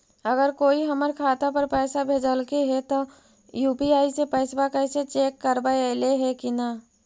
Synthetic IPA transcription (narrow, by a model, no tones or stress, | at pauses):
əɡəɾkoːiɦəməɾkʰaːt̪apəɾpɛːsabʱeːd͡ʒəlkeɦɛt̪o | juːpiaːisepəːsbakəːset͡ʃeːkːəɾbaeleɦɛkina